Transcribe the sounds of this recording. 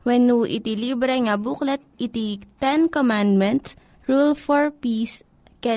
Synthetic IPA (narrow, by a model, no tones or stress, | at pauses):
wɛnuʔḭt̪ilibɾɛŋɐbuklɐt̪̚it̪it̪ɛnkomand̪mɛnt̪s | ɹulfɔɹpiːs | kɛ